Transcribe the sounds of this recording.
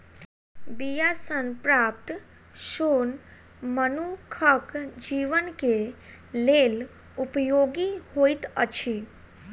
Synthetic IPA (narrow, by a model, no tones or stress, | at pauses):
bijasənpɾaːp̚t̪ | ʃoːn | mənukʰəkd͡ʒiːʋənke | leːl | upjoːɡihoit̪ət͡ʃʰi